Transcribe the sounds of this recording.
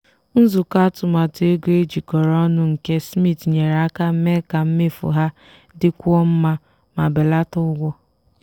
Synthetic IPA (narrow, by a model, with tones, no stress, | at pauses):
n̩˦zu˨ka˦tʊ˨ma˨te˦ɡe˦d͡ʒi˨kɔ˨ɾɔ˦nʊ˦ŋ̩˨ke˦smi˦˨tɲe˨ɾa˦ka˦m̩˦me˦ka˨m̩˦me˦fʊ̰˨ɦa˦ | dɪ˦kʷɔ˦m̩˦ma˦ | ma˨be˨la˦tʊ˦ɡʷɔ˦